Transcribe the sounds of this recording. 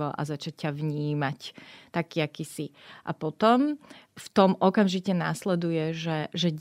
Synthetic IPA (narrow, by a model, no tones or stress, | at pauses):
ɔʔa̰zat͡ʃac̚ːaʋɲiːmact̪akiːakiːsiʔa̰pɔt̪ɔmft̪ɔmʔɔkamʒicɛnaslɛd̪ujɛʒɛʒɛ